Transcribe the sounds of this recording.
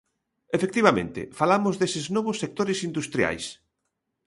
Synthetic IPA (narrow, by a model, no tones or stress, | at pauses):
efek̚t̪iβamḛ̃nt̪ɪ̰falamʊzðesɪznɔβʊsːek̚t̪oɾɪsind̪ust̪ɾia̰js